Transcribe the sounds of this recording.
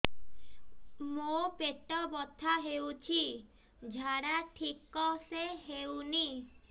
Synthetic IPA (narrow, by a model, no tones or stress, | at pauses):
mopeʈɔbɔt̪ʰaɦewt͡ʃʰi | d͡ʒʱaɽaʈʰikɔseɦewni